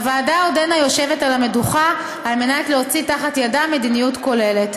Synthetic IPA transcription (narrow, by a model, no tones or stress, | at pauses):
avaːdaodenajo̞ʃevetalame̞duχa | alme̞natleot͡sitaχatjadame̞dinijutko̞le̞le̞t